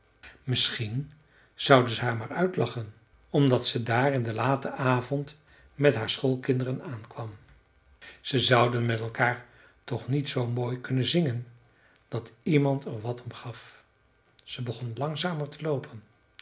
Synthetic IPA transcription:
mɪsχin | z̥ʌwdəzəɦaːɹmaːɹœɥtlɑχən | ɔmdɑtsədaːrɪndəlaːtəʔaːvɔnt | mɛtɦaːɹsχolˠkɪndərənaːnkʋɑm | z̥əzʌwdənmɛtɛlˠkaːɹ | tɔχnitsowmoːjkɵnənzɪŋən | d̥ɑtimɑntʰɛɹʋɑtɔmχɑf | z̥əbəχɔnlɑŋzaːməɹtəlowpʰən

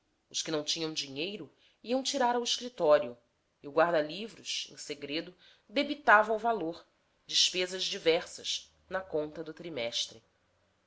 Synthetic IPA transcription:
ʊʃkɪnɐ̃w̃t͡ʃĩɲɐ̃w̃d͡ʒiɲejɾʊ | iɐ̃w̃t͡ʃiɾaɾɐwɪʃkɾit̪ɔɾiʊ | iʊɡwaɾd̪ɐlivɾʊʃḛ̃seɡɾed̪ʊ | d̪ebit̪avɐ̃uvaloɾ | d͡ʒiʃpezɐʒd͡ʒivɛɾsɐ̰ʃ | nɐkõnt̪ɐd̪ʊt̪ɾimɛʃt̪ɾɪ

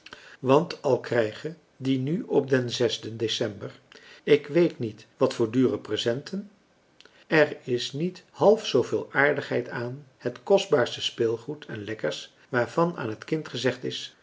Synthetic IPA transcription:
ʋɑntɑlˠkrɛjχə | dinyɔp̚dɛnzɛzdəndesɛmbər | ɪkʋejtnitʋɑtfʊːɹdyːrəprəzɛntʰən | ɛrɪsnithɑlˠfsowvɪːlˠaːɹdəχɦɛjtaːnhətkɔzdbaːɹstəspɪːlˠχutʰɛnlɛkəɹs | ʋaːɹv̥ɑna̰ːnɦətkɪntχəzɛχtɪs

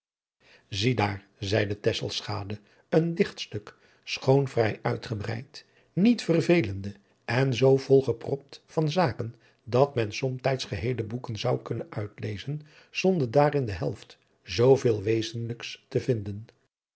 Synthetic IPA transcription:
zidaːɹ | zɛjdətɛsəlˠsχaːdə | əndɪχtstɵk | sχownvrɛjœɥtχəbrɛ̰jt | nitfərvejləndə | ɛnzowvɔlˠχəprɔp̚tfɑnzaːkən | dɑtmɛnsɔmtɛjtsχəɦejləbukənzɑwkɵnənœ̰ɥtlejzən | z̥ɔndəɹdaːɾɪndəɦɛ̰lˠft | zowveːlˠʋejzənləkstəvɪndən

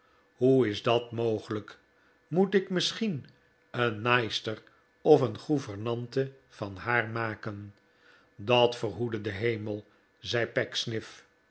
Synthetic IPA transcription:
huɪzdɑtmowχələk | mutɪkmɪsχin | ənːɑjstər | ɔfənχuvəɹnɑntə | v̥ɑnhaːɹmaːkən | dɑtfərɦudədəɦejməlˠ | zɛjpɛksnɪf

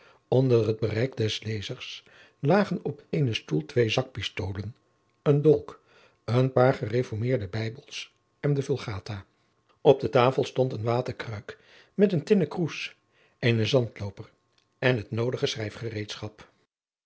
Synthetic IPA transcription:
ɔndərɦəd̚bərɛjkdɛslejzəɹs | laːχənɔpejnəstulˠtʋejzɑk̚pɪstowlən | əndɔlˠk | ənpaːɹχərefɔɹmɪːɹdəbɛjbəlˠs | ɛndəvɵlˠχaːta | ɔb̚dətaːfəlˠstɔntənʋaːtəɹkrœɥk | mɛtəntɪnəkrus | ʔenəzɑntlowpər | ɛnɦətnowdəχəsrɛjfχərejtsχɑp

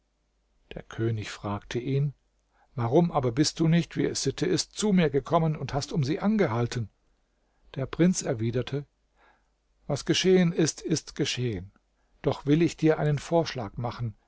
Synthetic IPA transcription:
d̥ḛːɐkʰøːnɪçfʁ̥aːktʰəʔiːn | vaʁʊmʔaːbɐbɪst̚d̥uːnɪçtv̥ḭːɛsz̥ɪtʰəʔɪstt͡sumiːɐɡəkʰɔmənʊnthastʊmziːʔanɡəɦaltən̩ | d̥eːɐpʁ̥ɪnt͡sɛɐviːdɐtʰə | vasɡ̥əʃeːənɪstɪstɡ̥əʃeːən | d̥ɔχv̥ɪlɪçd̥iːɐʔa̰ɪnənfoːɐʃla̰ːkmaχn̩

